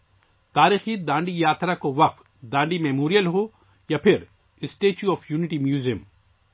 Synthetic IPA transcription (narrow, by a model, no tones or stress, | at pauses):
t̪aːɾiːxid̪ãːɳɖijaːt̪ɾakoʋɐq̚t̪ | d̪ãːɳɖimɛːmoːɾijəlɦo | japʰɪɾ | ɪsʈeːt͡ʃuɔːfʰjuːnɪʈimjuːzijəm